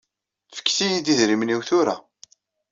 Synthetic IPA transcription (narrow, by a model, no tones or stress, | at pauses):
fə̥kːθijid̪iðɾimniwθʊɾa̰